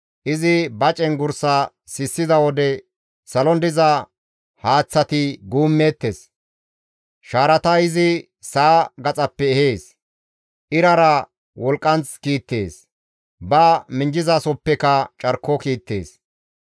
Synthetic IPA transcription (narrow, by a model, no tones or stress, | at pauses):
ʔɪzɪbɐt͡ʃʼɛnɡʊɾsɐ | sɪsːɪzɐwɔd̪ɛ | sɐlɔnd̪ɪzɐ | haːt͡sːɐt̪ɪɡuːmːeːt̪ːes | ʃaːɾɐt̪ɐɪzɪ | saːɡɐt͡sʼɐpːɛɛheːs | ʔɪɾɐɾɐ | wɔlkʼːɐnt͡skiːt̪ːe̞ːs | bɐmɪnd͡ʒɪzaːsɔpːɛkɐt͡ʃʼɐɾkːɔkiːt̪ːe̞̰ːs